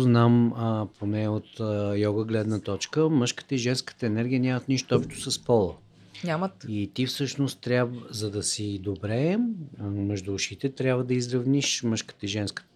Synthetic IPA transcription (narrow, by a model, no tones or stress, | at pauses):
znampʰonɛot̪jɔɡəɡlɛd̪nət̪ɔt͡ʃkəmɤʃkə̥t̪əiʒɛnskə̥t̪əɛnɛɾɡʲijənʲamət̪niʃt̪oɔpʃt̪ʊ̥sɐspɔlˠə̰ | ɲʲamət̪it̪ifsɤʃnost̪t̪ːɾʲjabzɐd̪ɐsid̪obɾɛ | mɛʒd̪uʊʃit̪ɛt̪ɾʲjabvəd̪ɐizɾɐvniʃmɤʃkə̥t̪əiʒɛnskə̥